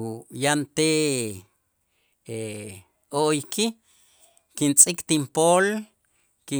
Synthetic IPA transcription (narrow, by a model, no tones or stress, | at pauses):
jant̪e | e | oʔjki | kint͡sʼikt̪impoːl | ki